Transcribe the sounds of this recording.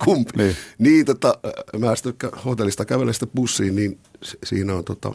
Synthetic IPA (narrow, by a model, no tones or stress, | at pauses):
kumpinːniːt̪ot̪ːɑmæːsi̥t̪ːˑekæhot̪elːist̪ɑkæʋelːæsi̥t̪ːepusːiːnniːnsesḭːnæont̪uot̪ɑ̰